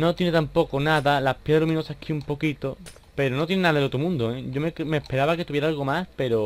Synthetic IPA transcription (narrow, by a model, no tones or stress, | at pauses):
no̞t̪jenet̪ampo̞konaðalapjeðɾlumĩnosahkʰiumpo̞kit̪o | pe̞ɾono̞t̪jennaðaðelo̞t̪ɾomũnd̪oeɟ͡ʝo̞mekmehpe̞ɾaβake̞t̪uβjeɾaalɣo̞maspe̞ɾo